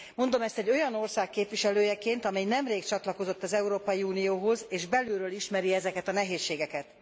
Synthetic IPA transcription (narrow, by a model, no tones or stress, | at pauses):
mo̞nd̪o̞mɛst̪ɛɟːo̞jɒno̞rsaːkːeːpʋiʃɛløːjɛkeːnt̪ɒmɛjnɛmreːkt͡ʃɒt̪lɒko̞zo̞t̪ːɒzɛuɾoːpɒjiuːnijoːɦo̞zeːʒbɛlyːɾøːliʃmɛɾiɛzɛkɛt̪ɒnɛɦeːʃːeːɡɛkɛt̪